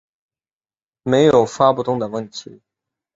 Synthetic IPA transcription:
me˧˥ɪjo˨˩ʊfa˥pu˥t̪ʊ˥ŋd̪ə˨wə˥˩nt̪ʰḭ˧˥

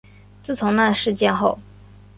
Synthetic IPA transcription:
t͡sɹ̩˥˩t͡sʰʊ˧˥ŋna˥˩ʂɻ̩˥˧t͡ɕjɛ˥˧nxo˥˩ʊ

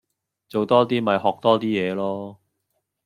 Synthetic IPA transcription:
t͡so˨wt̪ɔː˥t̪iː˥mɐ˨˧jhɔː˨˩k̚t̪ɔː˥t̪iː˥jɛː˨˧lɔː˥

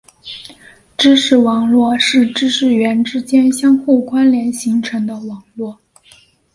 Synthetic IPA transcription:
ʈ͡ʂɻ̩˥ʂɻ̩˧˩wɑ˨˧˩ŋlwɔ˥˧ʂɻ̩˥˩ʈ͡ʂɻ̩˥ʂɻ̩˥˩ɥɛ˧˥nʈ͡ʂɻ̩˥t͡ɕjɛ˥nɕjɑ˥ŋxu˥˩kwa˥nljɛ˧˥nɕi˧˥ŋʈ͡ʂʰɤ˧˥ŋd̪ə˧wɑ˨˩ŋlwɔ˥˩

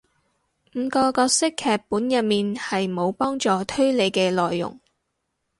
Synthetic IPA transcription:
m̩˨˧kɔː˧kɔː˧k̚sɪ˥kʰːɛː˨˧k̚pːuː˨˥njɐ˨t̚miː˨nhɐ˨jmo˨˧wpɔː˥ŋt͡sɔː˨t̪ʰɵ˥ɥle˨˧jkɛː˧lɔː˨jːʊ̰˨˩ŋ

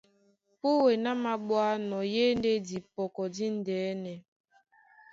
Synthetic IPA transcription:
pu˦we˨na˦ma˨ɓwa˦nɔ˨je˦n˦de˦di˨pɔ˨kɔ˨di˦n̩˦˨dɛː˨˦nɛ˨

